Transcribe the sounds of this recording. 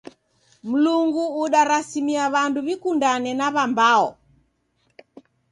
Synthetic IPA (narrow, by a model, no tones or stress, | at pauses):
m̩luŋɡuːɗaɾasimiaβanduβikundanɛnaβambaɔ